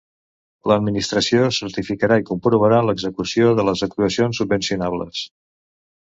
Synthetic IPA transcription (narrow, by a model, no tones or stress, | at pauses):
ləd̪minist̪ɾəsiosəɾt̪ifikəɾaikumpɾuβəɾanləɡzəkusioðələzəkɾuəsionsːubbənsiunaβlə̰s